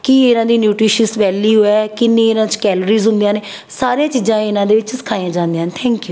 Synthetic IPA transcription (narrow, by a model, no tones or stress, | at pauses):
kiɪnãːd̪iːnjuːʈɾɪʃəsʋɛːliːɦoːɛːkɪnːẽːɪnãːt͡ʃkɛːləɾiːzɦʊ̃nd̪ijãːneː | saːɾeãːt͡ʃiːzãːɪnãːd̪eːʋɪt͡ʃsɪ̥kʰaːãːd͡ʒãːnd̪eãːnt̪ʰɛ̃ːŋkjuː